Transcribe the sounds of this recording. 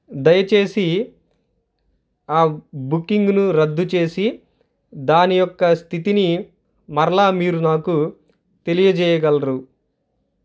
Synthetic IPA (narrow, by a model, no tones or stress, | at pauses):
d̪ɐjɐt͡ʃe̞ːsi | aːbukːiŋɡnuɾɐd̪ːut͡ʃe̞ːsi | d̪aːnijɔkːɐst̪ʰit̪ini | mɐɾɐlaːmiːɾunaːku | t̪e̞lijɐd͡ʒɛːjɐɡɐlɐɾu